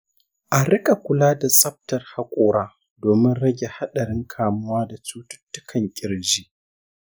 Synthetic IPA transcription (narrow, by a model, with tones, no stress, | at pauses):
ʔa˨ɾɪ˦kʼa˨kʷʊ˨laː˦da˨sʼɐ˦b̚tɐ˨rha˨kʷʼoː˦ɽaː˦ | doː˨mɪ˦nɽɐ˦ɡʲe˨ha˦ɗɐ˨ɾɪ˦ŋkʰaː˨mʊ˦waː˦da˨t͡ʃuː˦tʊ̥˦tːʊ˦kʰɐ˨ŋkʲʼɪ˨ɽd͡ʒiː˦ʔ